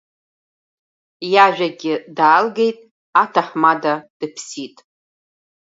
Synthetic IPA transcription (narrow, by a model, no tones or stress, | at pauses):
jaʒᶣaɡʲɪdaːlɡe̞jtʼ | atʰaħmadad̥ɨpʰsitʼ